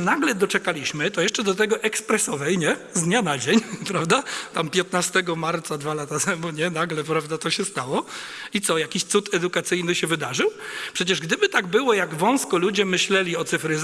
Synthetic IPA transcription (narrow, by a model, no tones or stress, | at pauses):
naɡlɛd̪ɔt͡ʂɛkalʲiɕmɘt̪ɔjɛʂt͡ʂɛd̪ɔt̪ɛɡɔʔɛkspɾɛsɔvɛjɲɛ | zd̪ɲanad͡ʑeɲpɾavd̪at̪ampʲjɛt̪̚nast̪ɛɡɔmaɾt̪sad̪valat̪at̪ʰɛmuɲɛnaɡlɛpɾavd̪at̪ɔɕɛst̪awɔit̪sɔjakʲiɕt̪sut̪ɛd̪ukat̪sɘjnɘɕɛvɘd̪aʐɘwpʂɛt͡ɕɛʐɡd̪ɘbɘt̪aɡbɘwɔjaɡvɔ̃w̃skɔlud͡ʑɛmɘɕlɛlʲiɔt̪sɘfɾɘz